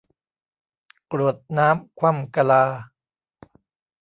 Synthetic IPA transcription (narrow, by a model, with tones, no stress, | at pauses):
kɾu˨˩ət̪̚naː˦˥mkʰwa˧˥˩mka˧laː˧